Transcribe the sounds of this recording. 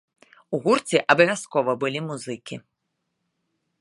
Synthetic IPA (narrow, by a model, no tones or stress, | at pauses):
uɣurt̪t͡sʲiʔɐbɐvʲaskɔvɐbɨlʲimuzɨkʲi